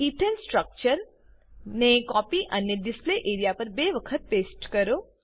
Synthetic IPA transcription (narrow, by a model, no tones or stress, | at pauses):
iʈelsʈɾək̚t͡ʃəɾ | nekɔpiʔənjəɖɪspleʔeːɾijapɐɾbeʋəkʰət̪̚peːsʈkəɾo